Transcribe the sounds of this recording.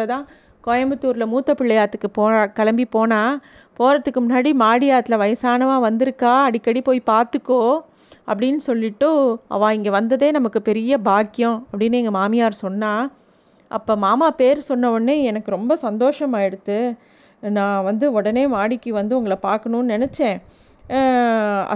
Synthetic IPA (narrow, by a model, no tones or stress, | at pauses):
ɐt̪ãː | kɔjɐmbɯt̪ːuːɾlɐmuːt̪ːɐpɪɭːɐjaːt̪ːɯkːɯpoːkɐlɐmbipoːnaː | poːɾɐt̪ːɯkːɯmʊnːaːɽimaːɽɪjaːt̪ːɪlɐʋɐjɐsaːnɐʋãːʋɐnd̪ɪɾɯkːaːɐɽɪkːɐɽipoːjpaːɾt̪ɯkːoː | ʔɐ̰pːɐɽɪnːɯsɔlːɪʈːɯʔɐ̰ʋãːɪŋɡɐʋɐnd̪ɐðeːnɐmɐkːɯpɛɾɪjɐbaːkːɪjɔ̃ɐpːɐɽɪnːɯɛŋɡɐmaːmɪjaːɾsɔnːaː | ʔɐ̰pːoːmaːmaːpeːɾsɔnːɐʋɐnːeːɛnɐkːɯɾɔmbɐsɐnd̪oːʂɐmaːɪɽɯt̪ːɯ | nãːʋɐnd̪ɯɔɽɐneːmaːɽɪkːɯʋɐnd̪ɯʊŋɡɐɭɐpaːɾkɐɳʊ̃nɯnɛnɛt͡ʃːẽː | ɐ̰